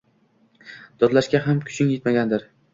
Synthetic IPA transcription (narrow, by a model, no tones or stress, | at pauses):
d̪̥ɒd̪laʃkʲaɦamkʲʰʊ̥t͡ʃʰɪŋjet̪maɡʲand̪ɪɾ